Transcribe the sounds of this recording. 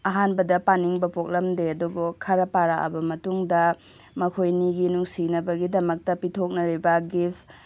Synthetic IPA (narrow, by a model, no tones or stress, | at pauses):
ɐɦanbɐdɐpaniŋbɐpok̚lɐmdeɐduɡokʰaɾɐpaɾaɐ̰bɐmɐtuŋdɐ | mɐkʰojniɡinuŋsinɐbɐɡidɐmɐk̚tɐpitʰok̚nɐɾibɐɡipʰ